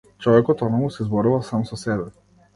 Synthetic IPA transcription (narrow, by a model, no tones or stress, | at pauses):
t͡ʃɔvɛkɔt̪ɔnɔmusɛzbɔɾuvasamsɔsɛbɛ